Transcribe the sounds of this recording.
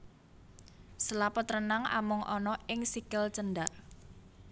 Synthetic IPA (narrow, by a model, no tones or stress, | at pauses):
səlapɔt̪ɾənaŋa̰mʊŋʔɔnɔɪŋsikəlt͡ʃənɖa